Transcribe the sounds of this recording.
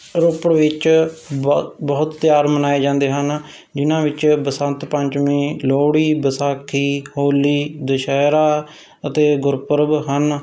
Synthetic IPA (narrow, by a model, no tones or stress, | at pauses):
ɾʊpəɽʋɪt͡ʃ | bəɦʊt̪ːjaːɾmənaːeːd͡ʒãːnd̪eːɦən | d͡ʒɪnãːʋɪt͡ʃbəsənt̪pəɲt͡ʃmẽːloːɽiːbəsaːkʰːiːhoːliːd̪əʃɛːɾaː | ət̪eːɡʊɾpəɾbɦən